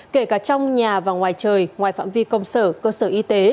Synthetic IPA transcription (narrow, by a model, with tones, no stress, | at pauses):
ke˧˩kaː˧˩t͡ɕɔ˧wŋ͡mɲaː˨˩vaː˨˩ŋwaː˨˩jt͡ɕəː˨˩jŋwaː˨˩jfa̰ː˧˥˨nvi˧kə˧wŋ͡msəː˧˩kəː˧səː˧˩ʔi˧t̪e˨˦